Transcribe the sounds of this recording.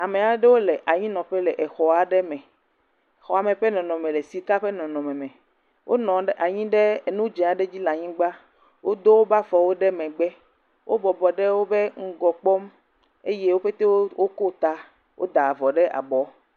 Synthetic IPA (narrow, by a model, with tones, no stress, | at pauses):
a˨mẽ˨a˨ɖe˦wo˦le˨ʔa˨ɲĩ˦nɔ̃˨ɸɛ˦lɛ˨ʔe˨xɔ˨a˨ɖɛ˦mɛ̃˨ | xɔ˨a˨mẽ˨ɸe˦nɔ̃˨nɔ̃˨mẽ˨le˨si˨ka˦ɸe˦nɔ̃˨nɔ̃˨mɛ̃˨mɛ̃˨ | wʔo˦nɔ̃˨ɖʔa˨ɲĩ˦ɖe˦˨nũ˦d͡ʒɛ̃˨a˨ɖe˦d͡ʑi˦lã˨ɲĩ˦ɡ͡ba˦ | wʔo˦d̪o˦wo˦ba˦fɔ˨wo˦ɖɛ˦mɛ̃˨ɡ͡bɛ˦ | wʔo˦bɔ˨bɔ˨ɖe˦wo˦be˦ŋ̩˦ɡɔ˨k͡pɔ˦m | e˦je˦wo˦ɸe˦t̪e˦wwo˦ko˦t̪a˦ | wʔo̰˦d̪a˨vɔ˨ɖe˦ʔa̰˨bɔ˨˦